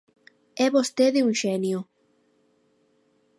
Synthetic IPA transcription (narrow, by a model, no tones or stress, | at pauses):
ɛβost̪eðɪuŋʃenjo